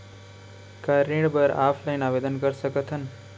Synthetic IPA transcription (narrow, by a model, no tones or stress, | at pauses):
kaɾiɖbəɾa̰ːpʰlaɪnaːʋeːd̪ənkəɾsəkət̪ʰən